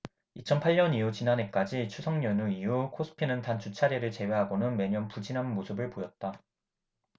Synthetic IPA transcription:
it͡ɕʰʌnpʰaɭɲʌnijut͡ɕinanek͈ad͡ʑit͡ɕʰusʰʌŋɲʌnuijukʰos͈ʰɯ̥pʰinɯntant͡ɕʰut͡ɕʰaɾeɾɯɭt͡ɕe̞weɦaɡonɯnme̞ɲʌnpud͡ʑinanmosʰɯbɯɭpojʌt̚t͈a

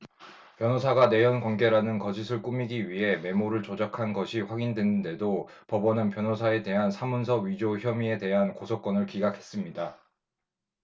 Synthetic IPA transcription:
pjʌnɦosʰaɡane̞jʌnkwanɡe̞ɾanɯnkʌd͡ʑisʰɯɭk͈umiɡiɥiɦe̞me̞moɾɯɭt͡ɕod͡ʑakʰanɡʌɕʰiɸwaɡindwe̞nɯnde̞do | pʌbʌnɯnpjʌnosʰae̞de̞ɦansʰamunsʰʌɥid͡ʑoçjʌmie̞de̞ɦankosʰok͈ʌnɯɭkiɡakʰe̞s͈ɯmɲida

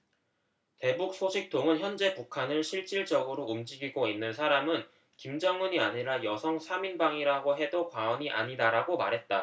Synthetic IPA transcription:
te̞buk̚s͈ʰoɕʰik̚t͈oŋɯnçjʌnd͡ʑe̞pukʰanɯɭɕʰiɭt͡ɕ͈iɭd͡ʑʌɡɯɾoumd͡ʑiɡiɡoinːɯnsʰaɾamɯn | kimd͡ʑʌŋuɲiaɲiɾajʌsʰʌŋsʰaminbaŋiɾaɡoɦe̞dokwaʌɲiʔa̰ɲidaɾaɡoma̰ɾɦe̞t̚t͈a

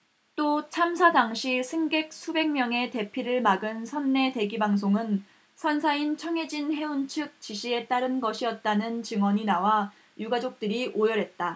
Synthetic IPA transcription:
t͈ot͡ɕʰamsʰadaŋɕʰisʰeŋɡe̞k̚sʰube̞ŋmjʌŋe̞te̞pʰiɾɯɭmaɡɯnsʰʌnːe̞te̞ɡibaŋs̬ʰoŋɯn | sʰʌnsʰaint͡ɕʰʌŋe̞d͡ʑinɦe̞unt͡ɕʰɯk̚t͡ɕiɕʰie̞t͈aɾɯnɡʌɕʰiʌt̚t͈anɯnt͡ɕɯŋwʌɲinawa | juɡad͡ʑok̚t͈ɯɾiʔojʌɾɦe̞t̚t͈a

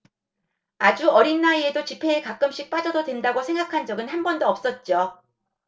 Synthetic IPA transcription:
ad͡ʑuʌɾinːaie̞dot͡ɕipʰe̞ekak͈ɯmɕ͈ik̚p͈ad͡ʑʌdodwe̞ndaɡosʰe̞ŋɡakʰand͡ʑʌɡɯnhanbʌndoʌp̚s͈ʌt̚t͡ɕ͈o

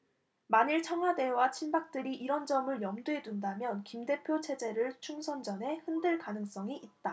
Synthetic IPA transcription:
maɲiɭt͡ɕʰʌŋɦwade̞wat͡ɕʰinbak̚t͈ɯɾiʔiɾʌnd͡ʑʌmɯɭjʌmduɦe̞dundamjʌnkimde̞pʰjot͡ɕʰe̞d͡ʑe̞ɾɯɭt͡ɕʰuŋsʰʌnd͡ʑʌnɦe̞hɯndɯɭkanɯŋs͈ʌŋiʔit̚t͈a

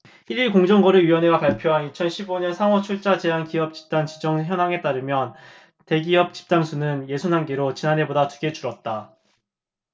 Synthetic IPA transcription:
iɾiɭkoŋd͡ʑʌŋɡʌɾɯɥijwʌneɡapaɭpʰjoɦanit͡ɕʰʌnɕʰiboɲʌnsʰaŋwʌt͡ɕʰuɭt͡ɕ͈ad͡ʑe̞ɦankiʌp̚t͡ɕi̥p̚t͈aŋt͡ɕid͡ʑʌŋçjʌnɦaŋe̞t͈aɾɯmjʌn | te̞ɡiʌp̚t͡ɕi̥p̚t͈aŋsʰunɯnje̞sʰonɦanɡeɾot͡ɕinane̞bodatuɡe̞d͡ʑuɾʌt̚t͈a

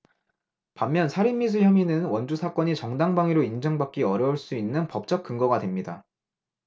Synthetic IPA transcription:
pamːjʌnsʰaɾimːis̬ʰɯɭçjʌminɯnwʌnd͡ʑusʰak͈ʌɲit͡ɕʌŋdaŋbaŋiɾoind͡ʑʌŋbak͈iʌɾjʌuɭs͈uinːɯnpʌp̚t͡ɕ͈ʌk͈̚ɯŋɡʌɡadwe̞mɲida

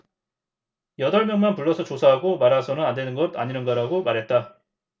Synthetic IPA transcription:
jʌdʌɭmjʌŋmanpuɭːʌsʰʌt͡ɕosʰaɦaɡomaɾasʰʌnɯnande̞nɯnɡʌda̰ɲinɯnɡʌɾaɡomaɾɦe̞t̚t͈a

